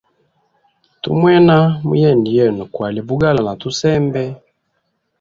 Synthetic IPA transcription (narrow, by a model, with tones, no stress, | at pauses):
tṵ˦mwɛ˦na˦mṵ˦jɛ˦˨ndi˨ɛ˨nu˨kwa˨li˨bu˦ɡa˦la˨na˨tu˦sɛ˦mbɛ˦